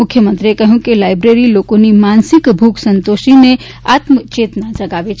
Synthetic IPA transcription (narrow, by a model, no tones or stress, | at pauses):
mukʰːjəmənt̪ɾiekəɦũkelajbɾeɾilokonemansikbʱuksənt̪osine | at̪mət͡ʃet̪ənad͡ʒəɡabet͡ʃʰ